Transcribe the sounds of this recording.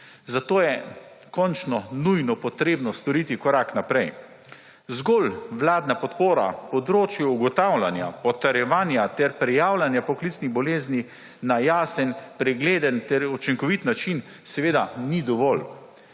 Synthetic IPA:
zat̪oːjɛ | kɔnt͡ʃnɔnujnɔpɔt̪ɾeːbnɔst̪ɔɾiːt̪ikɔɾaknapɾɛj | zɡɔlʋlaːd̪napɔt̪poːɾa̰pɔd̪ɾoːt͡ʃjuuɡɔt̪awlanja̰pɔt̪aɾjɛʋaːnjat̪ɛɾpɾɛjaːwlanjapɔklit̪sniɣbɔleːzni | najaːsənpɾɛɡleːd̪ənt̪ɛɾut͡ʃiŋkɔʋit̪nat͡ʃin | sɛʋeːd̪anid̪ɔʋɔl

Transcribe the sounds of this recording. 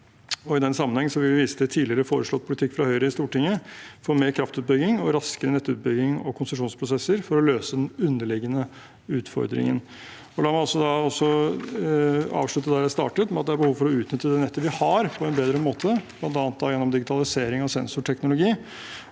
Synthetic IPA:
ɔɪd̪ɛnsɑmːənhɛŋːn̩sɔʋɪlʋɪʋiːsə̥d̪ɛt̪ʰiːd̪lɪəɾəfoːɾəʂɭɔt̪̚pʰʊlɪt̪ʰɪkːfɾɑhœʏɾəɪst̪uːʈɪŋːəfoːɾmeːɾkʰɾɑft̪ʉːt̪̚bʏɡɪŋɔɾɑskəɾənɛt̪ːʉ̰ːt̪̚bʏɡɪŋɔ̰kʰʊnsʉʂ̬uːnspʰɾʊsɛsːəɾfɔɾɔløːsəd̪ɛnʉnːəɭɪɡənə | ʉːt̪fɔ̰ɾd̪ɾɪ̰ŋə̰n | ɔlɑːmɪɔsːɔd̪ɑɔsːɔ | ɑ̰ːʋʂɭʉt̪ːəd̪æɾjæɪst̪ɑ̰ːʈət̪mɛɑt̪̚d̪ɛæɾbəhuːʋfɔɾɔʉːt̪nʏt̪ːəd̪ɛnɛt̪ːəɾʋɪhɑɾpʰɔɛnbeːd̪ɾəmoːt̪ʰəb̥lɑnt̪ɑːnət̪̚d̪ɑjɛnːɔmd̪ɪɡɪt̪ʰɑlɪseːɾɪŋɑʋsɛnsʊʈʰɛknʊlʊɡiː

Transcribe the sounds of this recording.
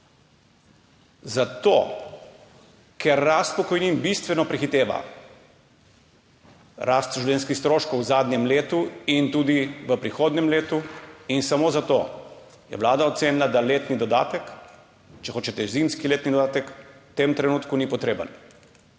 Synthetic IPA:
zat̪o | kʰɛɾːast̪̚pɔkɔjniːnbist̪ʋɛnɔpɾixit̪eːʋa̰ | ɾʔast̪ʒuwlʲjeːnskixst̪ɾoːʃkowzaːd̪nɲjɛmleːt̪uint̪uːd̪iʋəpɾixoːd̪nɛmleːt̪uinsamoːzat̪o | jɛ̰ʋlaːd̪aɔt̪seːnilad̪aleːt̪nid̪ɔd̪a̰ːt̪ək | t͡ʃɛxoːt͡ʃɛt̪ɛzimskileːt̪nid̪od̪aːt̪əkt̪eːmt̪ɾɛnuːt̪kunipɔt̪ɾeːbə̰n

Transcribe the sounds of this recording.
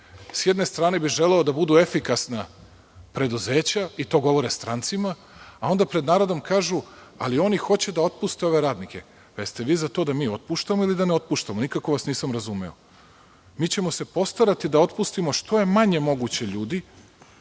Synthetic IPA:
sjed̪ne̞st̪ɾaːnebiʒe̞leod̪abud̪ue̞fikasna | pɾe̞d̪uze̞ːt͡ɕait̪o̞ːɡo̞ʋo̞ɾest̪ɾant̪simaː | o̞nd̪apɾe̞d̪naːɾo̞d̪o̞mkaːʒua̰lio̞nixo̞t͡ɕed̪ao̞t̪̚pust̪eo̞ʋe̞ɾaːd̪nikʰe̞̰ | ʋest̪e̞ʋiːzat̪o̞ːd̪amiːo̞t̪̚puʃt̪amo̞ilid̪aneo̞t̪̚puʃt̪amonikako̞ʋasniːsamɾazumɛo̞̰ | miːt͡ɕe̞mo̞se̞po̞st̪aɾat̪id̪ao̞t̪pust̪imo̞ʃt̪o̞je̞maɲe̞mo̞ɡut͡ɕeʎuːd̪i

